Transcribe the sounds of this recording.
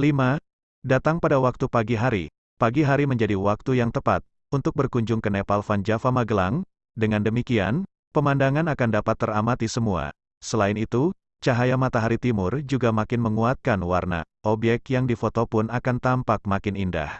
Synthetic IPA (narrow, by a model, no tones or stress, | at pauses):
lima | dat̪aŋpadawak̚t̪upaɡiɦaɾi | paɡiɦaɾiməɲd͡ʒadiwak̚t̪ujaŋt̪əpa̰t̪̚ | unt̪ʊk̚bərkuɲd͡ʒʊŋkənepalfand͡ʒafamaɡəlaŋ | dəŋandəmikia̰n | pəmandaŋanakandapat̪ːəramat̪isəmua̰ | səlaɪnit̪u | t͡ʃaɦajamat̪aɦaɾit̪imʊrd͡ʒuɡamakɪnməŋuat̪̚kanwarna̰ʔɔbjɛk̚k̪jaŋdifot̪opʊnakant̪ampak̚makɪninda̰h